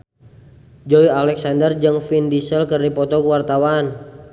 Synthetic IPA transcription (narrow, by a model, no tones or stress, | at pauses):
d͡ʒɔialɛksandərd͡ʒɨŋfindisəlkərdipɔt̪ɔkuwart̪awan